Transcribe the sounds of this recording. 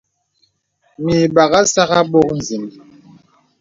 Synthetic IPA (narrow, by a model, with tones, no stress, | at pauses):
mi˨ɓa˨ɣa˦sa˦ɣa˦ɓɔ˦k̚n̩˨zi˨mi˨